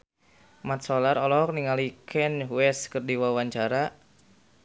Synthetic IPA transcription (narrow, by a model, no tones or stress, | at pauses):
mat̪̚sɔlaɾɔlɔk̚niŋalikʰɛnɦuwɛskərdiwawaɲt͡ʃaɾa